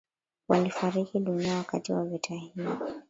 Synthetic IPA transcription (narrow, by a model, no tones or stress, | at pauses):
walifaɾikiɗuniawakatiwavitʰahii